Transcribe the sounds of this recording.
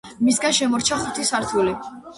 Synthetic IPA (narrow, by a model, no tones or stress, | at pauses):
misɡanʃɛmɔɾt͡ʃʰaχut̪ʰisaɾt̪ʰuli